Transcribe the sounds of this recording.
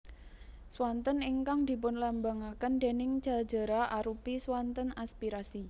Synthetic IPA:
swant̪əniŋkaŋd̪̥i̤pʊnlambaŋakənd̪̥e̤nɪŋd͡ʒ̥a̤̥d͡ʒə̤ɾaʔaɾupiswant̪ənaspiɾasi

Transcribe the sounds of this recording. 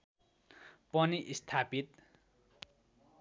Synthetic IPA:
pʌniʔist̪ʰapit̪

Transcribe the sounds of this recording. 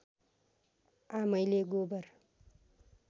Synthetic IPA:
amʌjleɡobʌr

